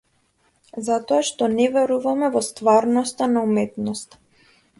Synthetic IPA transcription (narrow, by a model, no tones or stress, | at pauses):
zat̪ɔaʃt̪ɔnɛvɛɾuvamɛvɔst̪vaɾnɔst̪anaumɛt̪nɔst̪ḁ